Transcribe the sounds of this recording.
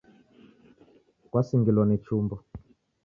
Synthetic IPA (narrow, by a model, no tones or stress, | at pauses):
kwasiŋɡilwanit͡ʃumbɔ